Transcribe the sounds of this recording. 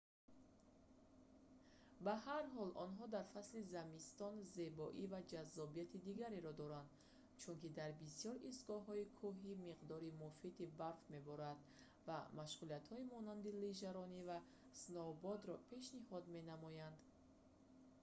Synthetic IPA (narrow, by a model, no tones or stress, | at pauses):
bahaɾɦɔlʔɔnɦɔd̪aɾfaslizamist̪ɔnze̞bɔʔivad͡ʒazːɔbijat̪ʰid̪iɡaɾeɾɔd̪ɔɾand̪ | t͡ʃʰunkid̪aɾbisijɔɾist̪ɡɔɦɔikʰuɦimiqd̪ɔɾimufit̪ibaɾfme̞bɔɾand̪ | vamaʃʁuliat̪hɔimɔnand̪iliʒaɾɔniva | snɔbɔd̪ɾɔpʰe̞ʃnihɔd̪me̞namɔjand̪